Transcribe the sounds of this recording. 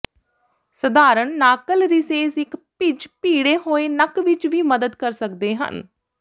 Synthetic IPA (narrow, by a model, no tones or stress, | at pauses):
səd̪aːɾəɳːaːkəlɾɪseːsɪkpɪd͡ʒpiːɽeːɦoːeːnəkʋɪt͡ʃʋiːməd̪əd̪kəɾsəkd̪eːɦə̰n